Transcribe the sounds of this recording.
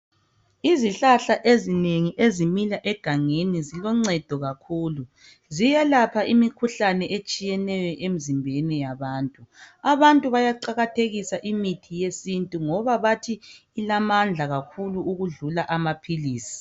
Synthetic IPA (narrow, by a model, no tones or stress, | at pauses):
iziɬaɬaʔezineŋiʔezimilaʔɛɡ̥ʱaŋenizilɔŋ͡ǀɛd̥ʱɔɣakʰuːlu | zijɛlapʰaʔimikʰuɬanɛʔet͡ʃʼijɛnɛjɔʔem̩zimbʱɛnɛjaβaːntʼuaβantʼuβajaǃaɣatʰeɣisaʔimitʰijesintʼuŋɔβaβatʰiː | lamand͡ɮʱaɣakʰuluːɣuɮulaʔamapʰiliːsi̥